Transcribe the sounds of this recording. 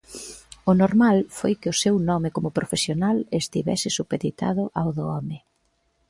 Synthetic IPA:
ʊnoɾmalfojkɪʊsewnɔmɪkomʊpɾofesjonalest̪iβɛ̰sɪsupeðit̪a̰ðʊʔawðʊɔmɪ

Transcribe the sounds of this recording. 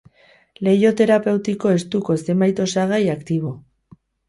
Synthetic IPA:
le̞jo̞t̪e̞ɾape̞wt̪iko̞e̞st̪uko̞se̞majt̪o̞saɣajakt̪iβ̞o̞

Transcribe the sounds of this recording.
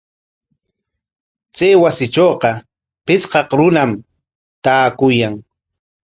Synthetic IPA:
t͡sajwasɪt͡ʃoːqɑ | pɪt͡sqɑqɾʊnam | t̪aːkʊjaŋ

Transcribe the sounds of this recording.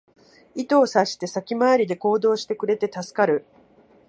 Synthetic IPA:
it̪o̞ːsaɕi̥t̪e̞sakʲimaaɾʲid̪e̞ko̞ːd̪o̞ːɕi̥t̪e̞kɯ̟ɾe̞t̪e̞t̪asɨ̥kaɾɯ̟

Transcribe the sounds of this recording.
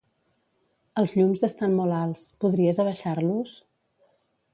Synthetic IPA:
əlˠzʎumzəst̪anmɔlalˠspuðɾiəzəβ̞əʃaɾlus

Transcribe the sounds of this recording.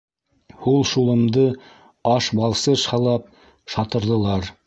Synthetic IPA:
hulˠʃulˠɤ̆md̪ɤ | ɑʃbɑlˠsɤʃhɑlˠɑp̚ | ʃɑt̪ɤ̆ɾðɤ̆lˠɑɾ

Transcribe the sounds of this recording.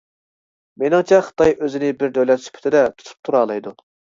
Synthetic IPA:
menɪŋt͡ʃʰɛχə̥t̪ʰɑjʔøzɪnɪbɪɾd̪øwlɛt̪sy̥pʰt̪ʰɪd̪ɛt̪ʰu̥t̪ʰu̥p̚t̪ʰuɾɑːlˠɑjd̪u

